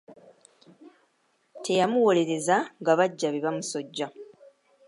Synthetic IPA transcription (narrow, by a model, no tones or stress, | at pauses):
tʰe̞jamuwo̞le̞ɾe̞zaŋɡaβaɟːaβeβamuso̞ɟːa